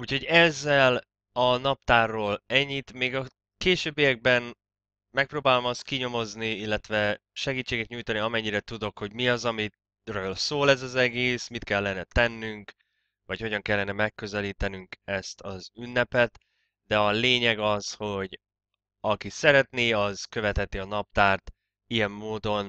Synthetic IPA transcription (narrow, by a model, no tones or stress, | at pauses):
uːcho̞ɟɛzːɛl | ɒnɒp̚t̪aːrːoːlɛɲːit̪meːɡɒ | keːʃøːbːejɛɡ̚bɛn | mɛk̚proːbaːlo̞mɒst̪̚kiɲo̞mo̞zniilːɛt̪ʋɛ | ʃɛɡiːt͡ʃːeːɡɛt̪ɲuːjt̪ɒniɒmɛɲːiɾɛt̪ud̪o̞kho̞ɟmiɒzɒmi | røølsoːlɛzɒzɛɡeːsmit̪kɛlːɛnɛt̪ɛnːyŋk | vɒcho̞ɟɒŋkɛlːɛnɛmɛkːø̞zɛliːt̪ɛnyŋkɛst̪ʰɒzynːɛpɛt̪ | d̪ɛɒleːɲɛɡɒzho̞ɟ | ɒkisɛɾɛt̪niɒz̥køvɛt̪hɛt̪iɒnɒp̚t̪aːrt̪ | ijɛmːoːd̪o̞n